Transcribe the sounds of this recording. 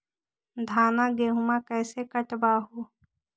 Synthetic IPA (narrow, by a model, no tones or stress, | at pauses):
d̪ʱaːnaːɡeːɦumãːkɛːsekəʈbaːɦoː